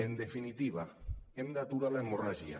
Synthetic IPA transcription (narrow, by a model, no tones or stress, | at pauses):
end̪efinit̪iβaemnat̪uɾalemoraʒia̰